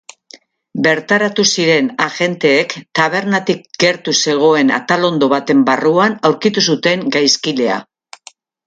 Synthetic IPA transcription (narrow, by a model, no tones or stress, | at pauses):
be̞ɾt̪aɾat̪usiɾe̞naʝe̞nt̪e̞ːkt̪aβ̞e̞ɾnat̪ikɡe̞ɾt̪use̞ɣ̞o̞e̞na̰t̪alo̞nd̪o̞β̞at̪e̞mbaruanawɾkit̪usut̪e̞ŋɡajskile̞a̰